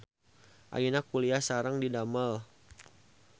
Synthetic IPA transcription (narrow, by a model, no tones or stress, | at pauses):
ʔa̰jinakuliasaɾaŋdidaməl